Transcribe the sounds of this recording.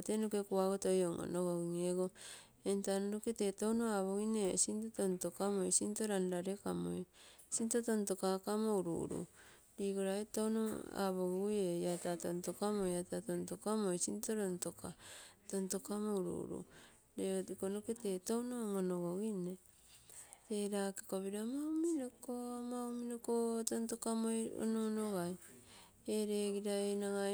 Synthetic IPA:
tenokekuaɡotojoŋʔo̰noɡoɡiŋeɡo | entanoɾoketetonoaβoɣinḛsintotontokamojsintoɾanɾaɾekamo̰jsintotonto̞kakamouɾṵɾṵ | diːɡoɾaetono̰a̰βoɡujejatatontokamojatatontokamojsintoɾontokatonto̞kamowɾṵɾṵ | ɾeotikonoketetownomonoɡoɡine | teɾakekoβiɾamawminokomawminokotontokamojo̰noonoɣaj | eɾeɡiɾaenaɡa

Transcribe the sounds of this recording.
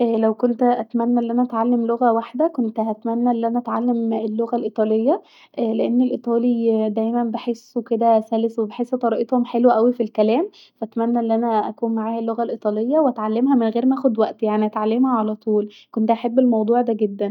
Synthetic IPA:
ʔːlæwkont̪ʔæt̪mænːæʔelːʔænæʔæt̪ʕalːemloɣæwaħd̪ækont̪æt̪mænːæʔelːʔænæʔæt̪ʕalːemelːoɣælʔit̪ˤɑlejːɑ | ʔleʔenːelʔit̪ˤɑːlid̪æjmænbeħesːuked̪æsæleswebeħesʔet̪ːɑɾˤɑʔet̪homħelwæʔæwifilkælæːm | fæʔæt̪mænːæʔelːʔænæʔæ̰kuːnmaʕaːhælːoɣælʔit̪ˤɑlejːɑweʔæt̪ʕalːemɦæmenɣeːɾmæʔæːxod̪wæʔt̪jaʕniʔæt̪ʕalːemhæʕalæt̪ˤuːlkont̪ʔaħebːelmɑwd̪ˤuːʕd̪æɡed̪ːæn

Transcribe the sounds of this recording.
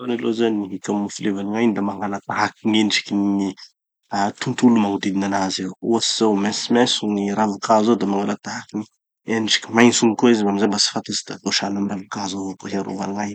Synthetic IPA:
analozaniɦikʲamːufilevaniŋajnd̪amaŋɡalat̪aɦakiŋenʈ͡ʂi̥kʲinii | at̪unt̪ulumaŋud̪id̪inanazeuasizawmesimɛsuŋiɾavukazod̪amaŋalat̪aɦakini | eniʈ͡ʂi̥kʲimajnsuŋikoizbamizambasi̥fat̪izi̥d̪aloʃanamravukazovokoɦiaɾo̰vaniŋaj

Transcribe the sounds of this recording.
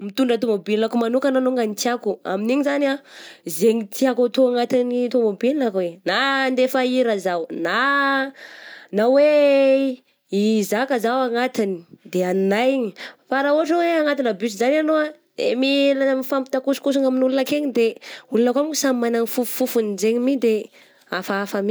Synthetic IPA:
mit̪uɳɖ͡ʐət̪omobinilakumanukananoŋɡanit̪iakua̰miniɲizanazeɲit̪iakat̪oaŋat̪init̪omobininakwenand̪efaiɾəzawna | nawe | izakazawaŋat̪ini̥d̪eannajiɲifaɾauɦaʈ͡ʂəweaŋat̪inəbysizananoa | ḛmilamifampi̥t̪akusu̥kus̬uŋaminulunakeɲid̪eulunakwamkusamimanaŋifufu̥fufunizeɲimid̪e | afaafami

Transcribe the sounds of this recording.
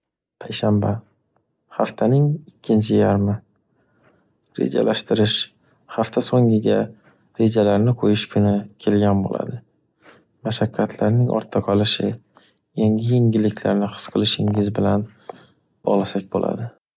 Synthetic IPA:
pʰajʃamba | haft̪ʰanɪŋɪkʲʰːɪnt͡ʃʰɪjaɾmɪ | ɾḛd͡ʒa̰lʔaʃt̪ɪɾɪʃ | haft̪ʰasoŋɪɡʲa | ɾe̞d͡ʒalaɾnɪqʰojɪʃkʰʊnɪkʲʰe̞lɡʲanbo̰la̰d̪ɪ | maʃakʲʰːat̪ʰlaɾnɪŋʔɒ̰ɾt̪ʰːaqʰɒlˠɪʃɪ | jaŋɡʲɪjeŋʲɪlɪkʲʰlaɾnɪχɨ̥sqʰɨlˠɪʃɪŋɪzbɪlan | bɒ̰ʁlasak̚ʲbo̰lʔa̰d̪ɪ

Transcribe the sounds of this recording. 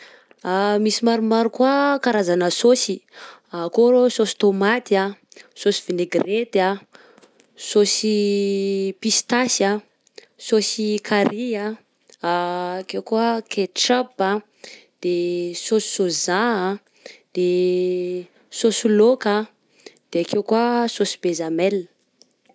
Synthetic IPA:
amisimaɾumaɾukuakaɾazanəsosiakoɾososi̥t̪omat̪ia | sosi̥v̥ineɡret̪a | sosi | pist̪asa | sosikʰaɾia | kewkoəkʰeʈ͡ʂaba | d̪̥esosi̥sozaa | d̪̥e | sosuloka | d̪̥eakewkuasosi̥bezamɛlə̥

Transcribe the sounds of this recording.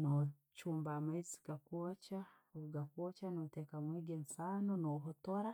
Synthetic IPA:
no | t͡ʃuːmbamaizi̥ɡakwot͡ʃa | ɡakwot͡ʃanotekamwiːɡensanonoɦotoɾa

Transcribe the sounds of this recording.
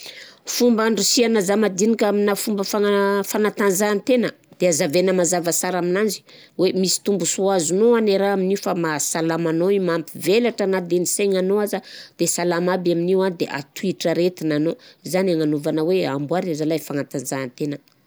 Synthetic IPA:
fumbaɳɖ͡ʐusianazamad̪inikʲaminafumbəfafanat̪anzaːnt̪enə | d̪̥eazavenəmazavasaɾaminand͡ʒi̥ | wemisi̥t̪umbusuazunoaneɾaaminifamasalamanoimampivelaʈ͡ʂanad̪eniseŋanoazəd̪̥esalamabaminiwad̪eʔa̰t̪uiʈ͡ʂəɾet̪inanozanaŋanuvanəweambwaɾazalajfanat̪anzaːnt̪enə

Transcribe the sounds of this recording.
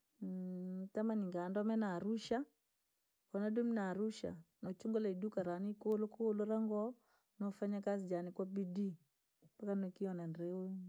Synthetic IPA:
tamaniŋɡandɔmɛnaɾuʃa | kɔnadɔminaɾuʃa̰nɔt͡ʃuŋɡɔlaidukaɾanikolokoloɾaŋɡɔ | nɔfaɲakazid͡ʒanikwabidi | pakanɔkiɔnanɾeu

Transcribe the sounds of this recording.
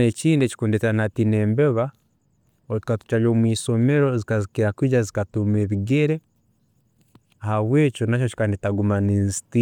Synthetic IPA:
et͡ʃiːndeci̥kundeteanatineːmbeβa | oti̥katu̥t͡ʃaʎoːmwiːsomeɾozikazikiɾakwiːɟazikatumeβiɡeɾe | ahaβweːt͡ʃonat͡ʃot͡ʃi̥kanitaɡumaninsi̥ti

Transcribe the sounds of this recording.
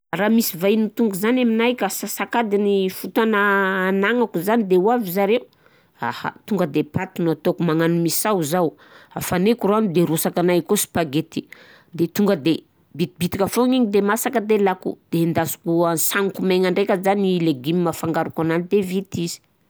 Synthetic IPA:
ramisivainut̪uŋɡuzanaminajkasasakad̪inifut̪anaːnaŋakuzanid̪ewavizaɾeu | a̰ha̰t̪uŋɡəd̪epat̪unat̪okumaŋanumisawzaw | afanekuɾuanid̪eɾosakanajkosi̥paɡet̪i | d̪et̪uŋɡəd̪e | bit̪ibit̪ikʲafoŋiɲid̪emasakəd̪elakṵd̪̥end̪asu̥kuansanikumeŋaɳɖ͡ʐekʲəzanileɡimimafaŋɡaɾukananid̪evit̪izi̥

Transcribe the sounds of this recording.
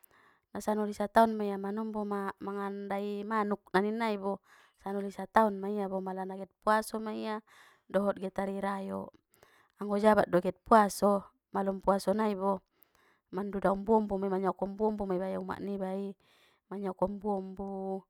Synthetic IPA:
nasanɔlisat̪aunmaiamanɔmbɔmamaŋandaimanuk̚naninaibɔ | sanɔlisat̪aunmaiabɔmalanaɡɛt̪̚puasɔmaija | dɔɦɔt̪̚ɡɛt̪aɾiɾajɔ̰ | aŋɡɔd͡ʒabat̪̚dɔɡɛt̪̚puasɔ | malɔmpuasɔnaibɔ | mandudaumbuɔmbummaɲɔkɔmbuɔmbumaibajuma̰ʔnibai | maɲɔkɔmbuɔmbu

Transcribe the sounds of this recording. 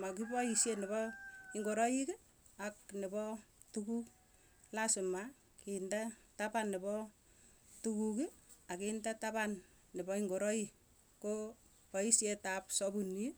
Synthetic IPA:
makibɔisjenɪbɔɪŋɡoɾɔikɪ | ak̚nɪbɔ | tukuk | lasɪma | kɪndatapanːɪbɔ | tukukɪakɪndatabanː | ɪbɔiŋɡoɾɔji | ko | pɔisjetap̚sɔbuni

